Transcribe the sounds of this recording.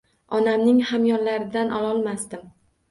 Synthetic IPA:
ɒnamnɪŋhamjɒɾlaɾɪd̪anʔɒlˠɒlˠmasd̪ɪm

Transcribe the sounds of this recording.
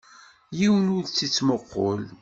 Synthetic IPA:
jiwnʊɾt͡sːit͡sːməqːo̰l

